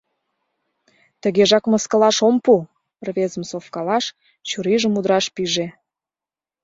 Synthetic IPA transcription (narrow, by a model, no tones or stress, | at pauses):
t̪əɣeʒɑkməskəlɑʃompu | ərβezəmsofkɑlɑʃ | t͡ɕuɾiʒəmud̪ɾɑʃpiʒe